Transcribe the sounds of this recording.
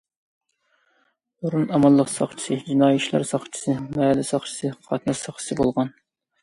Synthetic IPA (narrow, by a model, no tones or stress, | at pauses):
oɾunɑmɑlˠːəqsɑ̰χt͡ʃʰi̥sɨd͡ʒinɑːjɪt͡ʃʰilˠɑ̰ɾsɑχt͡ʃʰi̥sɨmmɛːlɪsɑχt͡ʃʰi̥sɨqʰɑt̪ʰnɑsɑχt͡ʃʰi̥sɨbolˠʁɑn